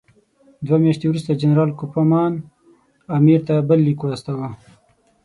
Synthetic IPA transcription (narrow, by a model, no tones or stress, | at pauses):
d̪wamjɑʃt̪ewɾust̪ad͡ʒanɾɑːlkʊpamɑːn | amiɾt̪abəlːikoast̪awa